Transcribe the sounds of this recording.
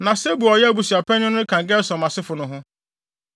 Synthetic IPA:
nã˨se˦bu˨ɔ˨jɛ˦a˦bu˨si˨a˨pɛ˦ɲʊ̃˦nʊ˦ɪ˦kʰã˨ŋ˨ɡɛ˦sɔ̃˨mã˨sɪ˦fʊ˨nʊ̃˦ɦʊ̃˦

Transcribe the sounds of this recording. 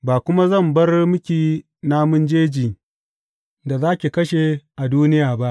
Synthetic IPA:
baː˨kʷʊ˦ma˦zɐ˦˨mbɐ˦rmʊ˦kʲiː˨ | naː˦mʊ˦nd͡ʒeː˦d͡ʒiː˨ | da˨zaː˦kʲi˨kɐ˦ʃe˨ʔa˨duː˦nɪ˦jaː˨ba˦ʔ

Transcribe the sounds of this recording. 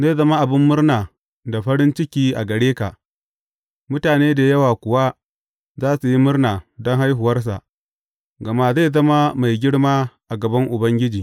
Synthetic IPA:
zaː˦˨zɐ˦ma˦ʔa˨bɪ˦mːʊ˦rnaː˨ | da˨ɸɐ˦ɾɪ˦nt͡ʃɪ˦kʲiː˦ʔa˨ɡɐ˨ɽeː˦ka˨ | mʊ˦taː˨neː˦da˨jɐ˦waː˨kʷʊ˨wa˦ | zaː˦su˨ji˦mʊ˦rnaː˨dɔ˦ŋɦa˦jɦʊ˨wɐ˦rs̬a̰˨ʔ | ɡɐ˨maː˦za˦˨jzɐ˦ma˦ma˨jɡʲɪ˦ɽmaː˦ʔa˨ɡɐ˨bɐ˦ŋʔʊ˨bɐ˦ŋɡʲɪ˦d͡ʒiː˨

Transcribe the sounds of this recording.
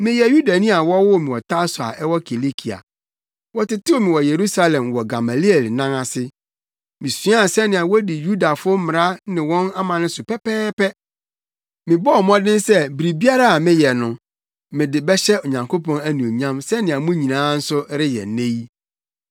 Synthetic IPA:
mɪ̃˦jɛ˨ju˦da˨nĩ˦a˨wɔ˦wʊ˦˨mɪ̃˨wɔ˨tʰa˦sʊ˨a̰˨ʔɛ˦wɔ˦kʰe˨le˦kʰi˨a̰˨ | wɔ˦tɪ˦tɪ˦o˦˨mɪ̃˨wɔ˨je˨ɾu˦sa˦lɛ̃˨mwɔ˨ɡa˨ma˨li˦ɛ˨lnã˦ŋa˨sɪ˦ | mɪ̃˨su˦a˦˨sɛ˦nɪ̃˨a˨wɔ˦dɪ˨ju˦da˨fʊ˦mɪ̃˨ɾa˦nɪ̃˨wɔ̃˦na˦mã˨nɪ̃˦sʊ˨pɛ˦pɛː˦pɛ˦ | mɪ̃˨bɔ˦˨mɔ̃˦dɪ̃˦n˦sɛ˦bi˨ɾi˨bi˦a˦ɾa˦a˨mɪ̃˦jɛ˨nʊ̃˨ | mɪ̃˨dɪ˨bɛ˦ɕɛ˦o˨ɲã˨ŋkʰo˦pɔ̃˨næ˦nũ˨o˨ɲã˦msɛ˦nɪ̃˨a˨mũ˦ɲĩ˨nãː˦n̩˦sʊ˦ɾɪ˦jɛ̰˨nẽ˦ji˦

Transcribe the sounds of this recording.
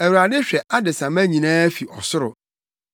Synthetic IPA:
æ˨wu˨ɾa˨dɪ˦ɕᶣɛ˨ʔa˦dɪ˨sã˨mæ̃˦ɲĩ˨nãː˦fi˨ʔɔ˨sʊ˦ɾʊ˨

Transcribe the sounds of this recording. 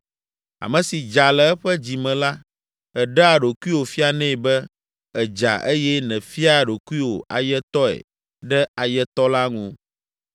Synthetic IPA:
a̰˨mɛ̃˨si˨d͡ʒa˨lɛ˨ɛ˦ɸɛ˦d͡ʑi˨mɛ̃˨la˦ | ɛ˨ɖɛ˦a˨ɖo˨ku˦i˦wo˨fi˦a˨nɛ̃˦˨bɛ˦ | ɛ˨d͡ʒa̰˨ʔe˦jɛ˦nɛ̃˨fi˦a˨ɖo˨ku˦i˦wo̰˨ʔa̰˨jɛ˦t̪ɔ˦ɛ̰˨ | ɖɛ˦a˨jɛ˦t̪ɔ˦la˦ŋũ˦

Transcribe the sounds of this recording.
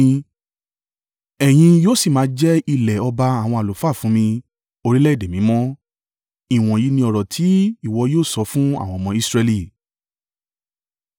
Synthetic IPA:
ɛ˨j̃ĩ˧joː˦si˦˨mã˨˦d͡ʒɛ˦i˧lɛ˨ɔ˧ba˧a˦˨w̃ɔ̃˧a˨o˨fa˦˨fũ˨˦mĩ˧ | o˧ɾi˦lɛ˦i˦˨de˨mĩ˨˦mɔ̃˦ | i˨w̃ɔ̃˨ji˨˧˦nĩ˧ɔ˧ɾɔ˨tʰi˨˦i˦˨wɔ˧joː˦˨sɔ˨˦fũ˦a̰˦˨wɔ̃˧˨˧mɔ̃˧˦i˦sɾe˧li˦˨

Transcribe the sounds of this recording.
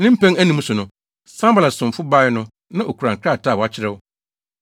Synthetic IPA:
nɪ̃˦m̩˦pæ̃˦ŋæ˦nĩ˨˦m̩̃˦sʊ˨nʊ̃˨ | sã˦mbla˨sʊ̃˨m̩˨fʊ˦ba˦ɪ˦nʊ̃˦ | nã˦ʔo˨ku˨ɾã˨kʰɾa˦˨tʰa˦˨wɔ˨a˦t͡ɕʰɪ˦ɾɛ˦˨wʊ˦

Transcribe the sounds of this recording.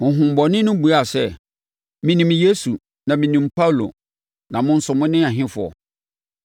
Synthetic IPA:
mʊ̃˨ɦʊ̃˨m̩˨bɔ˨nɪ̃˦nʊ̃˦bu˨˦a˨sɛ˦ | mĩ˦nĩ˨mje˦su˨ | nã˨mĩ˨nĩ˨mpa˦wlo̰˨ | nã˨mʊ̃˦n̩˦sʊ˨mʊ̃˦nɪ̃˦a˨ɦɪ̃˦fʊ˨ɔ̰˨

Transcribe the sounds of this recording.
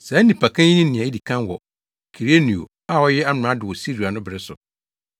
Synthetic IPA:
sɛ˨˦nĩ˨pʰa˨kʰã˦ɲĩ˦nĩ˦nɪ̃˨a˨i˦di˨kʰã˦nwɔ˨ | kʰi˨ɾe˦nĩ˨o̰˨ | a˦˨wɔ˦jɛ˦a˦m̃˨a˦dɪ˨wɔ˨si˦ɾu˨a˨nʊ̃˦bɪ˨ɾɪ˦sʊ˨

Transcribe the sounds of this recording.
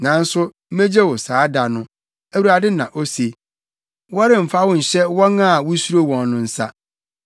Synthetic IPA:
nã˨n̩˦sʊ˦m̩˦mẽ˦d͡ʑɛ˦wɔ˨saː˨˦da˨nʊ̃˦ | æ˨wu˨ɾa˨dɪ˦nã˨ʔo˦se˨ | wɔ˦ɾɪ̃˨m̩˨fa˦wʊ̃˦n̩˨ɕɛ˦wɔ˦nã˦a˨wʊ˦su˦ɾo˦wɔ̃˨nː˦ʊ̃˦n̩˦sa̰˦

